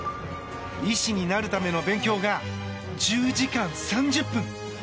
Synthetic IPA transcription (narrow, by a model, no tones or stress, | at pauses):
iɕiɲ̟inaɾɯ̟t̪ame̞no̞bẽ̞ŋkʲo̞ːɡa | d͡ʑɨːd͡ʑikãñsãɲ̟d͡ʑɨpːɯ̟̃ŋ